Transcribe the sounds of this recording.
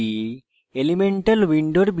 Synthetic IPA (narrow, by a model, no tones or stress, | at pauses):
i | elimeɳʈɐlwiɳɖoɽb